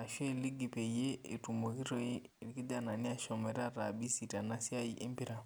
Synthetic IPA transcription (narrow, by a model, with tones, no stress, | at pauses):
a˨ʃi˦˨li˦ɡi˨pe˨je˦e˨tu˨mo˨ki˦ɾo˦˨e˦˨i˨ki˦da˦na˨ni˦a˦ʃɔ˨mɛ˨ɾa˦ɾa˨bi˦si˨ta˨na˦si˦a˦i˦ʔe˦mpi˦ɾa˨